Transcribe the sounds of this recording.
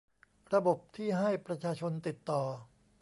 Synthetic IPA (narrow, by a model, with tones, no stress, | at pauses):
ɾa˧bo˨˩p̚t̪ʰiː˥˩ɦa˥˩jpɾa˧t͡ɕʰaː˧t͡ɕʰo˧nt̪i˨˩t̪ːɔː˨˩